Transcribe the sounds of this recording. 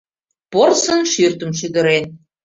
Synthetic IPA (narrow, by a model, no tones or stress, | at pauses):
porsə̆nʃyrt̪ə̆mʃyd̪ə̆ɾen